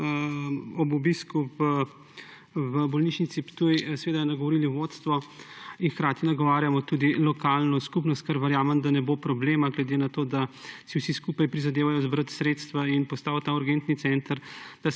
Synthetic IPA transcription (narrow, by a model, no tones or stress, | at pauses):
ɔbubiskuvə | ʋəbɔlniːʃnit̪sipt̪ujsʋeːd̪anaɡɔʋɔɾiliʋot̪st̪ʋɔinxkɾaːt̪inaɡɔʋaːɾjamɔt̪ud̪ilɔkalnɔskupnɔst̪̚kaɾʋɛɾjaːmɛmd̪anɛbopɾɔbleːmaɡlɛd̪enat̪oːd̪asiwsiskupajpɾizad̪eːʋajɔzbɾət̪sɾet̪st̪ʋainpɔst̪aːwt̪auɾɡent̪nit̪sɛnt̪əɾd̪̥a